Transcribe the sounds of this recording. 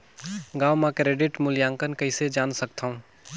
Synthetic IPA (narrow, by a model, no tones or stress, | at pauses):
ɡaːwmãkɾeːɖɪʈmʊljãːŋkənkəised͡ʒaːnsək̚t̪ʰaũ